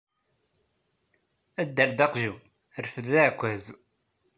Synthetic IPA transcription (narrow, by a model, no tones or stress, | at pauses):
æd̪ːəɾd̪ɑqʒu | ɾfəðækʷːæz